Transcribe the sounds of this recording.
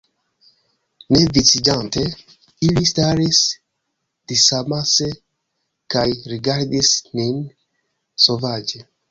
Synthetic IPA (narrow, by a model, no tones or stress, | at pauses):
nevit͡sid͡ʒant̪e | ilist̪aɾis | d̪̥isamase | kajɾiɡaɾd̪isnin | sovad͡ʒe